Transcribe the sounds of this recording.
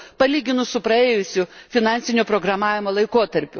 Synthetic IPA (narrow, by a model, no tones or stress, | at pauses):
pɐlʲiːɡʲɪnʊsʊpɾɐeːjʊsʲʊfʲɪnɑnʲsʲɪnʲoːpɾoːɡɾɐmɑːʋʲɪmoːlˠɐɪkoːt̪ɐɾʲpʲʊ